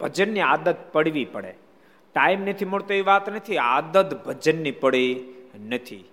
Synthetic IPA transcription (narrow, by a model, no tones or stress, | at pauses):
bʱəd͡ʒənːiad̪ət̪̚pəɽʋipəɽḛ | ʈaimnet̪ʰimoɽt̪oiʋat̪nət̪ʰia̰d̪ət̪bʱəd͡ʒənːipəɽenət̪ʰḭ